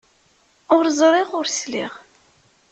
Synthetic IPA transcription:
ʊɾzˤɾˤɪʁʊɾsliʁ

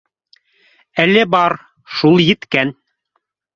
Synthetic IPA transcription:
ælɘbɑɾ | ʃulˠjɘ̆t̪kæn

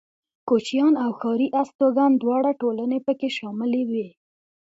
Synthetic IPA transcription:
kot͡ʃjɑnawxɑɾiʔast̪oɡand̪wɑɽaʈolənepəkeʃɑmɪlewe

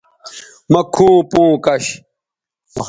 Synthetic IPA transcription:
mɐkʰːuːpũːkɐɕ

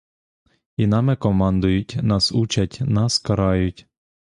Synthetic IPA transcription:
inɑmɛkɔmɑnd̪ʊjʊtʲnɑsut͡ʃɐtʲnɑskɐɾɑjʊtʲ

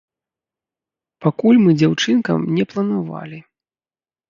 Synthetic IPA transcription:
pakulʲmɨd͡zʲawt͡ʂɨnkɐ̰mnʲɛplˠɐnava̰lʲi

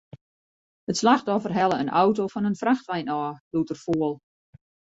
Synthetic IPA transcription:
ətslaxtɔfərɦɛlˠəənʔawtofɔnənfraxtʋɛjnɔːlutərfoəlˠ

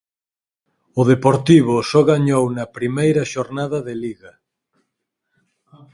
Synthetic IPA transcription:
ʊðepoɾt̪iβ̞ʊsɔɣaɲownɐpɾimejɾɐʃoɾnað̞ɐðeliɣɐ

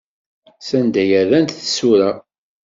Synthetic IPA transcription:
sænd̪æjæðænt̪θəsuɾæ

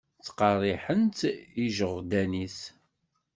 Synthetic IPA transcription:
t͡sːqɑrˤːiħənt̪iʒəʁd̪ænis

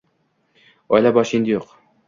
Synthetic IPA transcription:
ɒjlabɒʃind̪ɪjoq

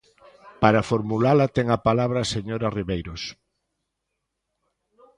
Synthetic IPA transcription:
paɾafoɾmulalat̪ɛŋapalaβ̞ɾaːseɲoɾariβejɾos

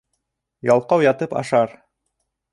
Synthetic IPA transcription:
jɑlˠqɑwjɑt̪ɤpɑ̰ʃɑɾ

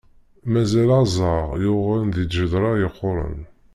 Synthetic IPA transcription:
mæzælazˤɑʁjʊʁalnðid̪ʒəd̪ɾˤɑjəqːʊɾˤə̰n

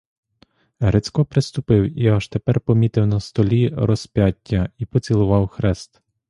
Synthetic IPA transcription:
ɦɾet͡sʲkɔpɾɪst̪ʊpɪwiɑʒt̪epɛrpɔmʲit̪ɪwnɐst̪ɔlʲiɾɔsʲpʲjatʲːɐipɔt͡sʲilˠʊʋɑwxɾɛst̪

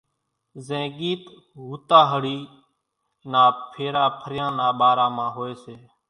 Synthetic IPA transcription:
zẽːɠiːt̪ | ɦuːt̪aːɦəɽiː | naːpʰeːɾaːpʰəɾjãːnaːɓaːɾãːmãːɦoːeːseː

